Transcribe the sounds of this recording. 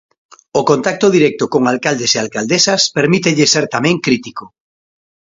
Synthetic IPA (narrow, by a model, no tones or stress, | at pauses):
okõnt̪ak̚t̪oðiɾɛk̚t̪okoŋalkald̪esealkald̪esaspeɾmit̪eʎeseɾt̪amẽŋkɾit̪iko